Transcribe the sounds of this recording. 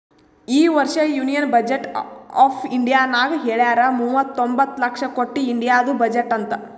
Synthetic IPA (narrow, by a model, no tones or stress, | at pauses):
iːʋɐɾʂɐjuːnijɐnbɐd͡ʒeʈaːpʰiɳɖijaːnaːɡɐɦeːɭjaːɾɐmuːʋɐt̪ːombɐt̪ːlɐkʂɐkoʈːiːɳɖijaːd̪ubɐd͡ʒeʈːɐnt̪ɐ